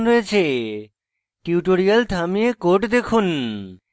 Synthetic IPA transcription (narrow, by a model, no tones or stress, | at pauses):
nɾoet͡ɕʰe | ʈiuʈoɾialt̪ʰamiekoʈd̪ekʰun